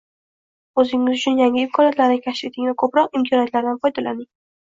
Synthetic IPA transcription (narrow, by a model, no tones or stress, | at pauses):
ɵzɪŋːɪzʊt͡ʃʰʊnjaŋʲɪmkʰɒnijat̪laɾnɪkʲʰaʃfit̪ʰɪŋvakʰɵpɾɒqɪmkʰɒniat̪laɾd̪anfɒjd̪alanɪŋ